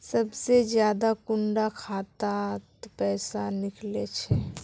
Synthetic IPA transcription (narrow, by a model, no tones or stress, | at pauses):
səbsed͡ʒjaːd̪akʊɳɖakʰaːt̪at̪pɛːsanɪklet͡ʃʰɛ